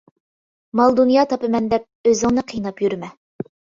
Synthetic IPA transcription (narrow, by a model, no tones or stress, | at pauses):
mɑlˠd̪unjɑt̪ʰɑpɨmɛnd̪ɛp̚øzɪŋnɨqʰijnɑpjyɾmɛ